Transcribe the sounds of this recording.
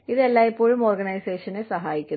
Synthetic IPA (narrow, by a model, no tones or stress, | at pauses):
iðe̞lːaːjipːo̞ːɻumo̞ːrɡɐnɐjse̞ːʂɐnesɐɦaːjikʲːu